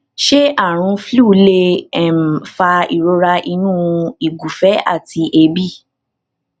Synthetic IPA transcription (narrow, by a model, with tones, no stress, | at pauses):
ʃe˦a˦˨ɾ̃ũ˧flu˦˨le˧ɛ˨m̩˨fa˧ḭ˨ɾo˧ɾa˧ʔi˧nũ˦i˦˨ɡu˨fɛ˨˦a̰˦˨ti˧ʔe˧bi˦˨